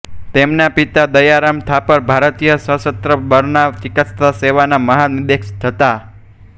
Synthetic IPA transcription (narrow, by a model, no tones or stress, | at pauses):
t̪emnapit̪ad̪əjaɾamt̪ʰapəɾbʱaɾt̪ijəsəsət̪ɾəbəɾnaʋt͡ʃikət̪st̪aseʋanaməɦanid̪ekʃt̪ʰət̪a